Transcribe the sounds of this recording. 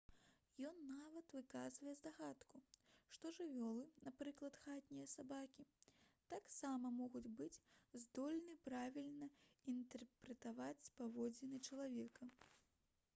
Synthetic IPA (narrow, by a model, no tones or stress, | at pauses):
jɔnːavɐt̪vɨkazvɐjɛzd̪aɣat̪kuʂt̪ɔʐɨvʲɔlˠɨnapɾɨklˠɐt̪xat̪ʲnʲijɐsabakʲit̪aksamɐmɔɣud͡zʲbɨt͡sʲzd̪ɔlʲnɨpɾavʲilʲnɐint̪ɛrpɾɛt̪avat͡sʲspavɔd͡zʲɛnɨt͡ʂɐlˠavʲɛkɐ